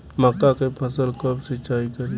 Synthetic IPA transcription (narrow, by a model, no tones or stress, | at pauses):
məkːakepʰəsəlkəbsɪt͡ʃaːikəɾ